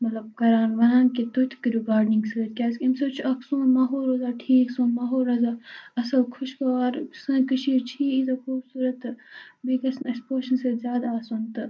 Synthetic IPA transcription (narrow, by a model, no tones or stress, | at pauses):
mɐt̪lɐb̚kɐɾaːnʋɐɾãːnkit̪ot̪ʰkiɾiɡaːɾnĩŋɡsɨːɾkʲaːskimsɐbt͡ʃʰuʔɐksũːnmaːɦoːlɾɐzaːʈʰiːksõːnmaːɦoːɾɐzaːɐsɐbkʰʊʃkɐʋaːɾsɐ̃kɐʃʰiːɾt͡ʃʰiːizɐkʰuːbsuːɾɐt̪bikɐsnɐspoːʃɐnsezʲjaːd̪aːsunt̪ɨ